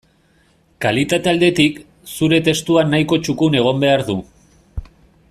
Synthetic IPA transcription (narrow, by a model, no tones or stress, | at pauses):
kalit̪at̪e̞ald̪e̞t̪ik | suɾe̞t̪e̞st̪uanːajko̞t͡ʃukune̞ɣ̞o̞mbe̞aɾðu